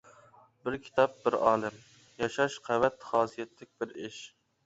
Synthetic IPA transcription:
bɪɾkʲʰi̥t̪ʰɑp̚bɪɾɑ̰ːlˠɨm | jɑʃɑʃqʰævɛt̪χɑːsijɛt̪ʰlɪk̚ʲb̥ɪɾɪʃ

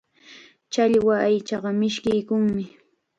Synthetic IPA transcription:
t͡ʃaʎwaajt͡ʃɑɢɑmɪʃkɪjkʊŋmɪ

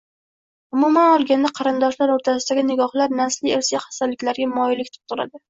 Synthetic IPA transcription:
ʊmumanɒlˠɡʲand̪aqʰɑɾɨnd̪ɒʃlaɾoɾt̪ʰasɪd̪aɡʲɪnɪɡʲɒχlaɾnaslieɾsiχḁst̪ad̪lɪkʲlaɾɡʲamɒjɪlɪkʲt̪ʰɪ̥p̚t̪ʰʊɾa̰d̪ɪ

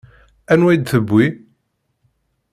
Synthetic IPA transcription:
ænwæjd̪θəbːi

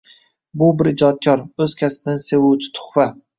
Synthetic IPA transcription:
bʊbɪɾɪd͡ʒɒt̪̚kʰʲɒɾɵz̥kʲʰaspɪnɪse̞wut͡ʃʰɪ̥t̪ʰʊ̥χva

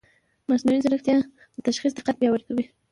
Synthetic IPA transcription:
masnuizaɾaxt̪jɑ | d̪ət̪aʃxis̬d̪ɪqat̪̚bjɑwəɾkawi

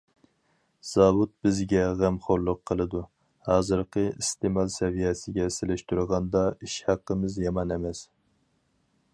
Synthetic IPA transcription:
z̥ɑwut̪̚bɪzɡʲɛʁæmχoɾlˠʊqʰːəlˠɨd̪u | hɑːzɨɾqʰəist̪emɑlˠsɛvijɛsɪɡʲɛsɪlɪʃt̪uɾʁɑnd̪ɑiʃhæqːəmɪzjɑmɑnemɛs

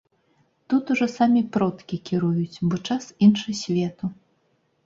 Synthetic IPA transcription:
t̪ut̪uʐɔsamʲipɾɔt̪kʲikʲiɾujut͡sʲbɔt͡ʂasinʂɨsʲvʲɛt̪u

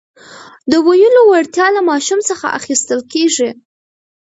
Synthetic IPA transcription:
d̪əwajəlowaɽt̪jɑlamɑʃumsəxa̰ʔa̰xist̪əlkeʐi

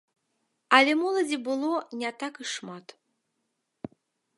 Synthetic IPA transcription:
ɐlʲɛmɔlˠɐd͡zʲibɨlˠɔnʲat̪akɨʂmat̪

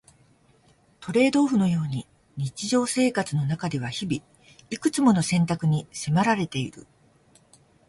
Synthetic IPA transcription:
t̪o̞ɾe̞ːd̪o̞ːɸɯ̟no̞jo̞ːɲ̟i | ɲ̟it͡ɕiʑo̞ːse̞ːkat͡sɨno̞nakad̪e̞β̞açibʲi | ikɯ̟̥t͡sɨmo̞no̞sẽ̞nt̪akɯ̟ɲ̟ise̞maɾaɾe̞t̪e̞iɾɯ̟

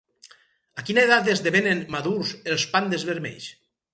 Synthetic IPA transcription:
akinaeðat̪ezðeβenenmaðuɾzelˠspand̪ezβeɾmɛ̰ʎs

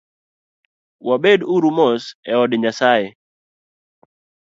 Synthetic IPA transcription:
wabeduɾumɔsɛɔdɲasaɛ

